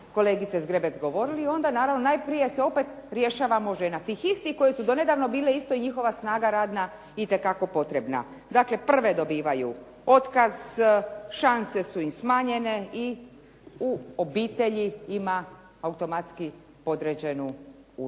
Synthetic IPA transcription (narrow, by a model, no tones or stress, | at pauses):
ko̞leɡit̪sezɡɾebesɡo̞ʋo̞ɾiliːo̞nd̪anaːɾaʋnonajpɾije̞seo̞pe̞t̪ɾje̞ʃaːʋamoʒenat̪iːxist̪ixko̞jesud̪o̞ne̞d̪aːʋno̞biːleist̪oiɲixo̞ʋasnaːɡaɾaːd̪na | it̪e̞kako̞po̞t̪ɾe̞bna̰ | d̪akle̞pr̩ʋed̪o̞biːʋajṵ | o̞t̪kaz | ʃanse̞suimsmaːɲe̞ne̞i | uobiːt̪e̞ʎiima | aut̪o̞mat̪ski | po̞d̪ɾed͡ʑe̞nu | ṵ